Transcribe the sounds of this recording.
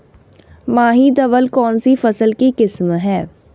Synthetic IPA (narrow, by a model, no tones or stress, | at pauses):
mãːɦid̪əʋəlkɔːnsifəsəlkikɪsmɦɛː